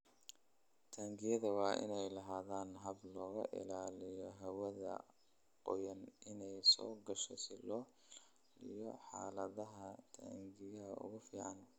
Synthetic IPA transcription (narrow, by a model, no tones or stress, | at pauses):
t̪ʰaːŋɡɪjɐðɐwɑːʔɪ̰nɛjlɐɦaːðaːnɦɐblɔːɣɐ̰ʔɪ̰laːlɪjɔɦɐwɐðɐ̰ | qɔjɐnɪnɛjsɔ̰ːɡɐʃɔsɪlɔː | ijɔħaːlɐðɐɦɐt̪ʰa̰ːŋɡɪjɐʊ̰ɣʊfiːʕɑn